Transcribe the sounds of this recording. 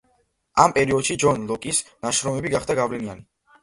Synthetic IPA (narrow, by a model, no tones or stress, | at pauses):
ampʼɛɾiɔd̪ʃid͡ʒɔnlˠɔkʼisnaʃɾɔmɛbiɡaχd̪aɡavlɛnia̰ni